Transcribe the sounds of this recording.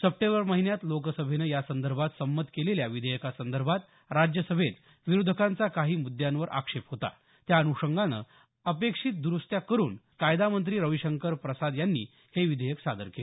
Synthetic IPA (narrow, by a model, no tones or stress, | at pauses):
səp̚ʈẽbəɾməɦinjat̪lokəsəbʱenəːjasənd̪əɾbʱat̪səmːət̪keleljaʋid̪ʱəjəkasənd̪əɾbʱat̪ | ɾad͡ʑjəsəbʱet̪ | ʋiɾud̪ʱəkant͡sakaɦiːmud̪jãnʋəɾʔa̰kʂepɦot̪a̰ | t̪jaənuʂəŋɡanə̰ | əpekʂit̪̚d̪uɾust̪jakəɾuːnkajd̪amənt̪ɾiːɾəʋiɕəŋkəɾpɾəsad̪janːḭː | heʋid̪ʱəjəksad̪əɾkel